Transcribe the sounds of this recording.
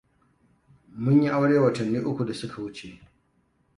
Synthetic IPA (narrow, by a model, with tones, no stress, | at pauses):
mʊ˦ɲji˦ʔa˦wɽeː˦wɐ˨tɐ˨nːiː˦ʔʊ˦kʷu˨da˨sʊ˦kʰa˨wʊ˦t͡ʃe˨ʔ